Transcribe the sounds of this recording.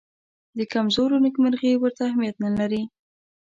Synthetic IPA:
d̪əkamzoɾonəkməɾɣewəɾt̪aːhmijat̪nəlaɾi

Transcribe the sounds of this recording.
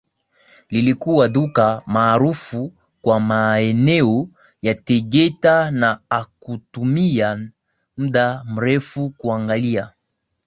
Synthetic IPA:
lilikuwaðukamaːɾufu | kwamaɛnɛɔ | jatɛɡɛtanaakutumia | m̩ɗam̩ɾɛfukuaŋɡalia

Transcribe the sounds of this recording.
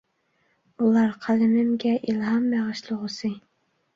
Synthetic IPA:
ulˠɑɾqʰælɪmɪmɡʲɛʔilˠɦɑmːæʁɨʃlˠʊʁəsɨ

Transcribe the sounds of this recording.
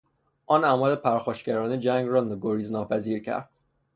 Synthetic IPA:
ʔɒːnæːmɒːlepʰæɾxɒːʃcæɾɒːned͡ʒæŋɡrɒːnɡoɾiːznɒːpʰæziːɾcʰæ̰ɾd̪̥

